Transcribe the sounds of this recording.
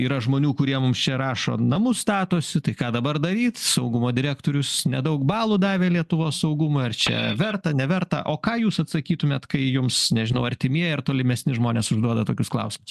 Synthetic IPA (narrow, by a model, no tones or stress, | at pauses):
iːɾɐʒmoːnʲuːkʊɾʲiɛmʊmst͡ʃʲɛɾɑːʃo̰ːnɐmʊst̪ɑːt̪oːsʲɪt̪ɐɪkɑːd̪ɐbɐrd̪ɐɾʲiːt̪sɐʊɡʊmoːd̪ʲɪɾʲæːkt̪oːɾʲʊsnʲɛd̪ɐʊkbɑːlˠʊːd̪ɑːʋʲeːlʲiɛt̪ʊʋoːssɐʊɡʊmoːɪrt͡ʃʲɛ̰ʋʲɛrt̪ɐnʲɛʋʲɛrt̪ɐ̰ʔoːkɑːjuːsɐt̪sɐkʲiːt̪ʊmʲeːt̪kɐɪjʊmsnʲɛʒʲɪnɐʊɐɾʲt̪ʲɪmʲiɛjɛɐrt̪oːlʲɪmʲɛsʲnʲɪʒmoːnʲeːsʊʒd̪uɔd̪ɐt̪oːkʲʊsklˠɐ̰ʊsʲɪmʊs